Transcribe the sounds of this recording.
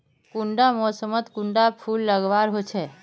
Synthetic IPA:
kuɳɖamɔsəmət̪kũɳɖapʰulːəɡʋaɾɦot͡ʃʰɛ

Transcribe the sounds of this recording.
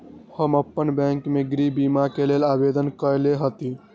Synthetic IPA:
həməpːənbɛ̃ːŋkmeɡɾibimakeleːlaːbed̪ənkəɾleɦət̪i

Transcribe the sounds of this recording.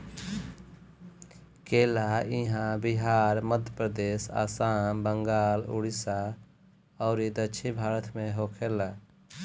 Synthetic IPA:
kelaiɦãbiɦaɾməd̪ʱjəpɾəd̪esa̰ːsambəŋɡaːlṵɽisa | ɔʊɾid̪ət͡ʃʰibʱaːɾət̪ʰmeɦokʰela

